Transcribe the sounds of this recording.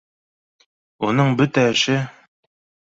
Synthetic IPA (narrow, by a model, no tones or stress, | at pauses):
unɤɴbɵt̪æɘ̆ʃɘ